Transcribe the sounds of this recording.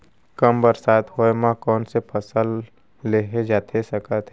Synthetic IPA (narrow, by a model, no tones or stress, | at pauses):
kəmbəɾsaːt̪ɦoemãkɔːnsepʰəsəlː | eɦed͡ʒaːt̪ʰesəkət̪